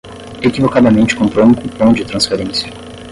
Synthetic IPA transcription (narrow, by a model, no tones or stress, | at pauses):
ekivokad̪ɐmẽnt͡ʃɪ̥kõmpɾowũkupõw̃d͡ʒɪt̪ɾɐ̃sfeɾẽsjɐ̥